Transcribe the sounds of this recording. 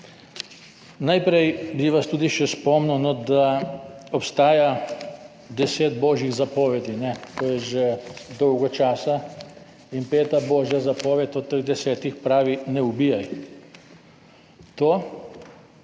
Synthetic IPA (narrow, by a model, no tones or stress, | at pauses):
najpɾɛjbiʋast̪uːd̪iʃɛspɔmnunɔd̪aɔpst̪aːja | d̪ɛseːd̪bɔːʒjiɣzapɔʋɛd̪inɛt̪oːjɛʒɛd̪ɔwɡɔt͡ʃaːsa | inpeːt̪abɔːʒjazapɔːʋɛt̪ɔt̪ːəɣd̪ɛsɛːt̪ixpɾaːʋinɛubijaj | t̪oː